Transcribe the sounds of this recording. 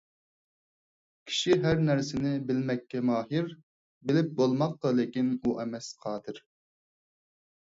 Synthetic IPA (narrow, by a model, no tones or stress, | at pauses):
kʲʰi̥ʃiɦæɾnæɾsɪnɪbɪlmɛkʲʰːɛmɑːɦɨɾ | bɪlɪp̚bolˠmɑqːəlekʲinuʔɛmɛsqʰɑːd̪ʰɨɾ